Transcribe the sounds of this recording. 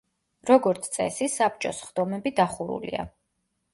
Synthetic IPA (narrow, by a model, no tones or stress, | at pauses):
ɾɔɡɔɾt̪sʰt̪sʼɛ̰sisap̚t͡ʃʼɔsχd̪̥ɔmɛbid̪aχuɾṵlḭa̰